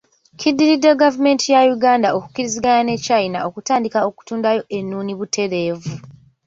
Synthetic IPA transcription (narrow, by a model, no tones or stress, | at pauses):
cʰidːiɾidːe̞ɡavume̞ːntʰijajuɡaːndaoku̥kːiɾiziɡanane̞cainaʔo̞kutaːndikao̞ku̥tuːndajo̞ʔe̞nːuːniβutʰe̞ɾe̞ːvu